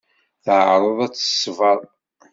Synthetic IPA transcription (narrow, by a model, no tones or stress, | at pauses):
θʕɾˤəðˤæt͡sːə̥svɑðˤ